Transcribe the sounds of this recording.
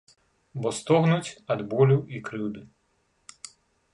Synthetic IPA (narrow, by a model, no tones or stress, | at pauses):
bɔst̪ɔɣnut͡sʲɐd̪bɔlʲuʔikɾɪwd̪ɪ